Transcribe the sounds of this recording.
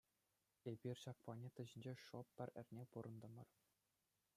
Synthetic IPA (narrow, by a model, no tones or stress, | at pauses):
ebʲirʲɕɑk̚pɑnʲet̪ɤ̆ʑɘ̆nʲd͡ʑeʂoɤ̆ppʲːɘ̆rʲɘ̆rʲnʲepuɾɤ̆nd̪ɤ̆mɤ̆r